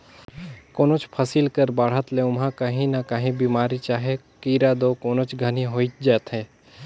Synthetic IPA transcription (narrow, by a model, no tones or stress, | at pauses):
koːnot͡ʃpʰɐsilkəɾbaːɽ̤ət̪leʊmɦãkəɦĩnakəɦĩbiːmaːɾit͡ʃaːɦe | kiːɾad̪okoːnot͡ʃɡʱənĩɦoːit̪̚d͡ʒɛːt̪ɦɛ̃ː